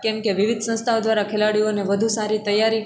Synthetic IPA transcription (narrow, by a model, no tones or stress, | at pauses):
kɛmkeʋiʋid̪ʱsə̃st̪ʰaod̪ʋaɾakʰelaɽijoneʋəd̪ʱusaɾit̪əjaɾi